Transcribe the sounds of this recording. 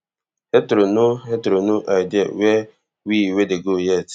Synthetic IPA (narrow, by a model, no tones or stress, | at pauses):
hetɾonuɦetɾonuʔajdɪa̰we | wiwedeɡojɛt